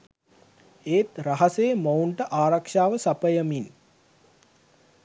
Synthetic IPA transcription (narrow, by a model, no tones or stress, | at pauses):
eːt̪raɦɐsejmowɳʈəʔaːɾakʂaːʋəsapəjəmin